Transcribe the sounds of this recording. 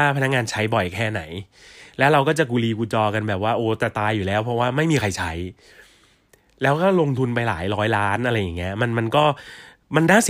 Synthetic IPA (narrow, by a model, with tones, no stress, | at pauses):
aː˥˩pʰa˧na˦˥k̚ŋaː˧nt͡ɕʰa˦˥jbɔ˨˩jkʰɛː˥˩na˩˦jlɛː˦˥wɾa˧wkɔː˥˩t͡ɕa˨˩k̬uː˧liː˧kuː˧t͡ɕɔː˧ka˧nbɛː˨˩p̚waː˥˩ʔoː˨˩˦t̪ɛ˨˩t̪aː˧jːuː˨˩lɛː˦˥wpʰɾɔ˦˥waː˥˩ma˥˩jmiː˧kʰa˧jt͡ɕʰa˦˥j | lɛː˦˥wkɔː˥˩lo˧ŋt̪ʰu˧npa˧jla̰ː˩˦jɾɔː˦˥jlaː˦˥nʔa˧ɾa˧jːa˨˩ŋːi˦˥ɐma˧nma˧nkɔː˥˩ | ma˧ndaː˥˩si˨